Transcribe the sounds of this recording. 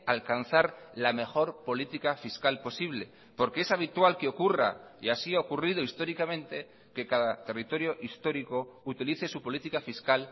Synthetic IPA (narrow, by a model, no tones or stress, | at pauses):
alkanθaɾlame̞xo̞ɾpo̞lit̪ikafiskalpo̞siβ̞le̞ | po̞ɾkeesaβ̞it̪walkeo̞kura̰iasiaokurið̞oist̪o̞ɾikamẽ̞nt̪e̞ | ke̞kaðat̪e̞rit̪o̞ɾjo̞ʔist̪o̞ɾiko̞ut̪iliθe̞supo̞lit̪ikafiskal